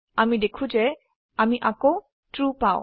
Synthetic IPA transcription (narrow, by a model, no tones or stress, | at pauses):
amid̪ekʰud͡ʒe | amiʔako | ʈɾupaʊ